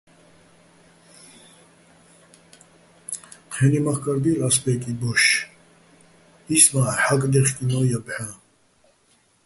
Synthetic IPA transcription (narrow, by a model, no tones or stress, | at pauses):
qʰɛnimaχkʼaɾb̪ilaspɛkʼibɔʃ | ismaːħakʼd̪ɛχkʼinɔːjabħa